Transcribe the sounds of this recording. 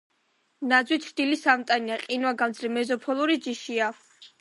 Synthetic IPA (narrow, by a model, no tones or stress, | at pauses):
nad̪zwit̪ʰɾd̪̥ilisamt̪ʼaniaqʼinwaɡamd̪zɾɛmɛzɔpʰɔlˠuɾid͡ʒiʃia